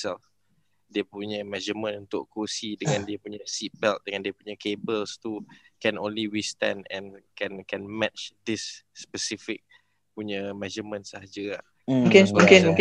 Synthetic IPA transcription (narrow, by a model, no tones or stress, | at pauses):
sɛlf | diəpuɲə̃mɛ̃d͡ʒəmə̃nunt̪ʊʔkosidəŋãndiəpuɲasit̪̚bɛlt̪̚dəŋãndiəpuɲəkebəlst̪ukɛ̃nõnliwist̪ɛ̰̃nɛ̰̃nkɛ̃nkɛ̃nmɛtt͡ʃd̪ɪsːpəsifik̚ | puɲə̃mɛd͡ʒəmə̃nsaɦad͡ʒəah | mmukɪnũkɪnmũk